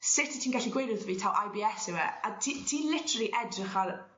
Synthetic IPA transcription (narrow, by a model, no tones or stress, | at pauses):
sɪtʰi̥tʰiːnɡaɬiɡwejɾɪðviːtʰalʔajbiːɛsɪwɛatʰitʰiːlɪtʰɾlˠiʔɛdrɪχal